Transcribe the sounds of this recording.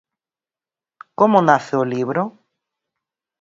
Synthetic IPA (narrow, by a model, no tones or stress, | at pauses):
komonaθeoliβɾo